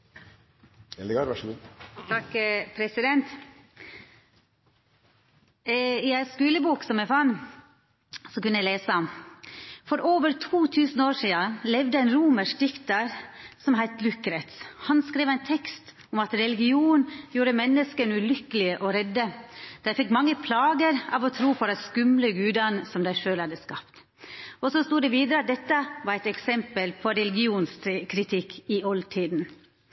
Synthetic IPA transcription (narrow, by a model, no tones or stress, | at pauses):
ɛlɡɑːɾʋɑʂəɡuːt̪ʰɑkpʰɾɛsɪd̪ɛnt̪ | ɪæɪskʉːləbuːksɔmæfɑːn | sɔkʉnəjæɪleːsə | fɔɾʔoːʋəɾt̪ʰuːt̪ʰʉːsn̩oːɾʂiːɑlɛʋd̪əæɪnɾuːməʂd̪ɪft̪ɑɾsɔmɦæɪt̪lʉkɾɛt̪shɑnskɾeːʋæɪnt̪ʰɛkst̪ | ʊmɑt̪ɾɛlɪɡɪuːnjuːɾəmɛnːəskənʉlʏkəlɪəʔɔɾɛd̪ːəd̪̥ɑfɪkmɑŋːəpʰlɑːɡəɾɑ̰ːʋɔt̪ʰɾuːpʰɔd̪ɛskʉmləɡʉːd̪ɑnsɔmd̪æɪʂøːlhɑd̪ːəskɑpt̪ | ɔsɔst̪uːd̪ɛʋiːd̪əɾəɑt̪̚d̪ɛt̪ːəʋɑɾæɪt̪ɛksɛmpəlpʰɔɾɛlɪɡɪuːnskʰɾɪt̪ʰɪkːɪɔlt̪ʰiːd̪n̩